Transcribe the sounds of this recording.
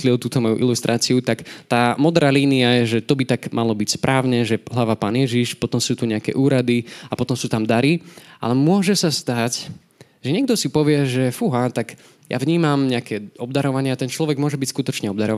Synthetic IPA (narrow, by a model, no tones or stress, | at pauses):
lilt̪uːt̪ɔmɔjṵʔḭlust̪ɾʔaːt͡siut̪akt̪aːmɔd̪ɾaːliːniajɛʒɛt̪ɔbit̪aɡmʔalɔbicspɾʔaːʊɲɛʒɛɦlaʋapaːnɪjɛʒiʃpɔt̪ɔmsuːt̪uɲɛakɛ̰ʔuːɾad̪iapɔt̪ɔmsuːt̪amd̪aɾiʔa̰lɛmʊɔʒɛsast̪ac | ʒɛɲɪɛɡ̚d̪ɔsipɔʋɪɛʒɛfuɦaːt̪ak | ja̰vɲiːmamɲɛakɛːɔbd̪aɾɔʋaɲɪat̪ɛnt͡ʃlɔʋɛɡmʊɔʒɛbicskut̪ɔt͡ʃɲɛɔbd̪aɾɔʋ